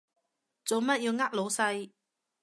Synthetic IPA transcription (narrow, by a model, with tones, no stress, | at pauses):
t͡so˨wmɐ˥t̚jiː˧wŋaː˥k̚lo˨˧wsɐ˧j